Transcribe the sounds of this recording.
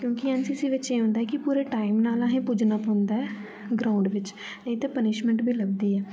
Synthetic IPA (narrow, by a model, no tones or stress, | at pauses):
kjõːkiənsisiʋɪt͡ʃẽːɦʊ̃ːnd̪aːɛkipuːɾeːʈaːɪmnaːlãːɦẽːpud͡ʒnapɦõːnd̪aːɛː | ɡɾaːʊ̃ɳɖʋɪt͡ʃ | nəĩt̪eːpənɪʃmə̃ɳʈbʱiːləɡ̚d̪iːɛː